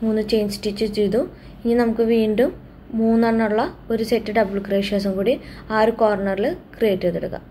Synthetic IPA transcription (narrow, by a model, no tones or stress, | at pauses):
muːnːɨt͡ɕejnsʈit͡ɕːut͡ɕejt̪u | iŋːinnɐmukːɨʋiːɳɖumː | uːnːɐɳːɐɭːɐo̞ɾusetːɨɖɐbɨɭkreːʂaːs̬ɐmkuːɽiaːɾukoːrɳɐrilɨkrijeːʈːɐt̪eɽukːɐ̰